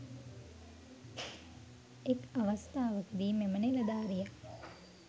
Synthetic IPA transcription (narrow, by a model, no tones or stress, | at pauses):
ekaʋast̪aːʋəkəd̪iːmemənelɐd̪aːɾijak